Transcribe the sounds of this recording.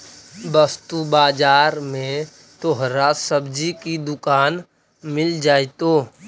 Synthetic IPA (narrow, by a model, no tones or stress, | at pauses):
bəst̪ubaːd͡ʒaːɾmẽ | t̪oɦɾasəbd͡ʒikid̪ʊkaːn | mɪld͡ʒaːt̪oː